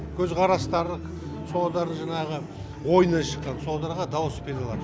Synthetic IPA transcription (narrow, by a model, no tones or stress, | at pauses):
kʲʰɵzqʰɑɾɑst̪ɑɾə | so̞lˠd̪ɑɾəɴʒɑnɑʁə | wo̞jənɑʃəqːɑnso̞lˠd̪ɑɾʁɑd̪ɑwəspʰʲed̪ɑlˠɑd̪ə